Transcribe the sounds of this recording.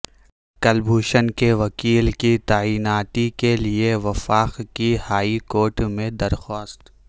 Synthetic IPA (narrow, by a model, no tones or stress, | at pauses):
kɐlbʱuːʃənkeʋɐkiːlkit̪aːiːnaːt̪ikelieʋɐfaːqkihaːikoːɾʈmẽd̪ɐɾxɔːst̪